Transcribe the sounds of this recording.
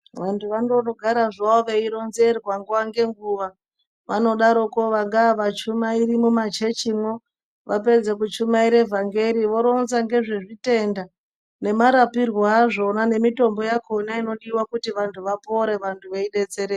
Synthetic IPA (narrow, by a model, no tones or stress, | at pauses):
ʋantʰuʋandoroɡʱaɾaʐaoʋeiɾonze̞rwaŋɡuaŋɡe̞ŋɡuʋa | ʋano̞ɗaɾo̞koʋaŋɡaʋat͡ʃumairimumat͡ʃe̞t͡ʃimwo | ʋap̬e̞d͡ze̞kut͡ʃumaiɾe̞vʱaŋɡe̞ɾiʋo̞ɾo̞nzaŋɡe̞ʐeʐite̞nda | ne̞maɾapirwoaʐo̞nane̞mito̞mbo̞jakʰonaino̞ɗiwakutiʋantʰuʋapo̞ɾe̞ʋantʰuʋeiɗe̞t͡se̞ɾe